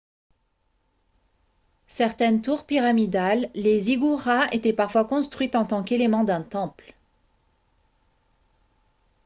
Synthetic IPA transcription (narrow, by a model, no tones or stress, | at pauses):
sɛʁt̪ɛnt̪uʁpiʁamid̪alːeziɡuʁaet̪ɛpaʁfwakɔ̃st̪χɥit̪ɑ̃t̪ɑ̃kelemɑ̃d̪ɛ̃t̪ɑ̃pl